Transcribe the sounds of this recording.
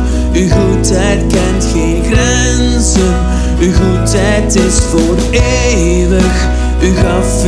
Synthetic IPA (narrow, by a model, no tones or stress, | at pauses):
yɣutʰɛjtkɛntxenxɾɛ | n | zə | yɣutʰɛjtɪsfoːɾ | e | ləx | yɣaːf